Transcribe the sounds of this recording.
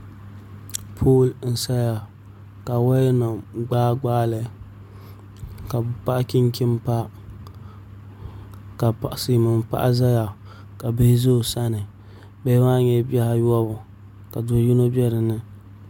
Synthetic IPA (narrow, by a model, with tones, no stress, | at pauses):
pʰo˦ln̩˨sa˦ja˨ | ka˨wa˦jnɔ˨ɡ͡baː˦ɡ͡baː˦lɨ˨ | ka˨bpa˦ʔki˦ŋ˦kʰi˦m˦pa˦ | ka˨si˨mɨ˨m˨pa̰˦ʔa̰˦za˦ja˨ | ka˨bɨ˦hzo˦˨sa˦nɨ˨ | bɛː˦ma˦ɲɛ˦bɛ˦ha˦jɔ˦bʊ˨ | ka˨dʊ˨˦ji˦no˦bɛ˦ɾɨ˨nɨ˦